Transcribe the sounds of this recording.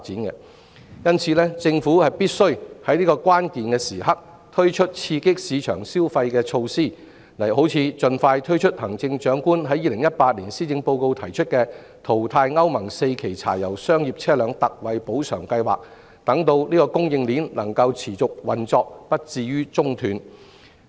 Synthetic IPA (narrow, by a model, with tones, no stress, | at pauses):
faː˧t̚t͡siː˨˥nkɛ˧ | jɐ˥nt͡sʰiː˨˧lɛː˥t͡sɪ˧ŋfuː˨˥hɐ˨jpiː˥t̚sɵ˥ɥhɐ˨˥jniː˥kɔː˧kʷwʷaː˥nkiː˨nkɛː˧siː˨˩hɐ˥k̚ | t̪ʰɵ˥ɥt͡ʃʰɵ˥t̚t͡sʰiː˧kɪ˥k̚siː˨˧t͡ʃʰœ̰ː˨˩ŋsiː˥wfɐ˧jkɛː˧t͡ʃʰo˧wsiː˥˩ | lɐ˨˩jɦo˨˥wt͡sʰiː˨˧t͡sɵ˧nfaː˧jt̪ʰɵ˥ɥt͡ʃʰɵ˥t̚hɐ˨˩ŋt͡sɪ˧ŋt͡ʃœː˨˥ŋkuː˥nɦɐ˨˥jːiː˨lɪ˨˩ŋjɐ˥t̚paː˧t̚liː˨˩nsiː˥t͡sɪ˧ŋpo˧wko˧wt̪ʰɐ˨˩jt͡ʃʰɵ˥t̚kɛː˧ | t̪ʰo˨˩wt̪ʰaː˧jŋɐ˥wmɐ˨˩ŋse˧jkʰe˨˩jt͡sʰa̰ː˨˩jɐ˨˩wsœː˥ŋjiː˨p̚t͡sʰɛː˥lœː˨˧ŋt̪ɐ˨k̚wɐ˨jpo˨˥wsʰœː˨˩ŋkɐ˧jwa̰ː˨k̚ | t̪ɐ˨˥ŋt̪o˧wliː˥kɔː˧kʊ˥ŋjɪ˧ŋliː˨˥nlɐ˨˩ŋkɐ˧wt͡sʰiː˨˩t͡sʊ˨k̚wɐ˨nt͡sɔː˧k̚pɐ˥t̚t͡siː˧jɥyː˥t͡sʊ˥ŋt̪ʰyː˨˧n